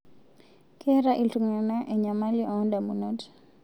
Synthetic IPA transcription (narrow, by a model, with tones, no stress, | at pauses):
kʰɛ˦ɾaʔi˨ltuŋa˨na˦ʔɛ˨ɲa˨ma˦liʔɔ˦nda˨mu˨not